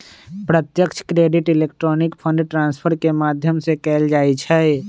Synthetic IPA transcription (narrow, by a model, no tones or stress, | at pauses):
pɾət̪jəkt͡ʃʰkɾeːɖɪʈɪleːk̚ʈɾɔːnɪkpʰə̃ɳɖʈɾãːnspʰəɾkemaːd̪ʱjəmsekɛːld͡ʒaːit͡ʃʰɛ